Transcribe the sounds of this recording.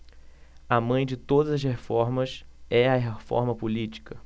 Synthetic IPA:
ɐmɐ̃j̃d͡ʒɪt̪od̪ɐzɐshefɔɾmɐsɛɐɦefɔ̰ɾmɐpolit͡ʃi̥kɐ

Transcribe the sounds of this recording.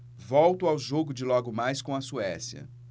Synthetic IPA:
vɔwt̪ʊawʒoɡʊd͡ʒɪlɔɡʊmajskõɐsuɛsjɐ̰

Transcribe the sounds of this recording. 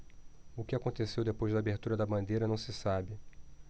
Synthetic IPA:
ʊkɪakõt̪esewd̪epojzd̪aːbeɾt̪uɾɐd̪ɐbɐ̃nd̪ejɾɐnɐ̃w̃sɪsabɪ

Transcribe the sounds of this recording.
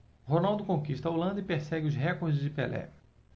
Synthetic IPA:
ɦonawˠd̪ʊkõkiʃt̪ɐolɐ̃nd̪ɐipeɾsɛɡɪʊzɦɛkoɾd͡ʒɪzd͡ʒɪpḛlɛ̰

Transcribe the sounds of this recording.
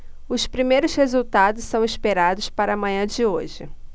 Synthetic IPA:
ʊspɾimejɾʊshezuwt̪ad̪ʊssɐ̃w̃ispeɾad̪ʊspaɾɐmɐ̃ɲ̃ɐ̃d͡ʒɪoʒɪ̰

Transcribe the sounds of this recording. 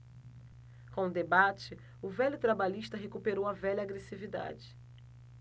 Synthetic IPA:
kõd̪ebat͡ʃɪ | ʊvɛʎʊt̪ɾabaʎiʃt̪ɐɦekupeɾowɐvɛʎɐaɡɾesivid̪a̰d͡ʒɪ̥

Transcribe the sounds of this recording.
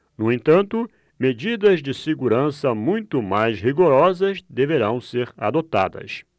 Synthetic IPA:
nʊẽt̪ɐ̃nt̪ʊ | med͡ʒid̪ɐzd͡ʒɪseɡuɾɐ̃sɐmũj̃t̪ʊmajsɦiɡoɾɔzɐzd̪eveɾɐ̃w̃seɾa̰d̪ot̪a̰d̪ɐ̰s

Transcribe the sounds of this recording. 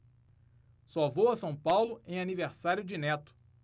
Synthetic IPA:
sɔvowɐsɐ̃w̃pawlʊẽj̃aniveɾsaɾjʊd͡ʒɪnɛt̪ʊ̥

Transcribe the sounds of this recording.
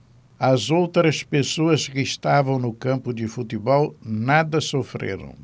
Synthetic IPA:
ɐzowt̪ɾɐspesoɐskɪɪʃt̪avɐ̃w̃nʊkɐ̃mpʊd̪ɪfut̪ɪbɔlnad̪ɐsofɾḛɾɐ̰̃w̃

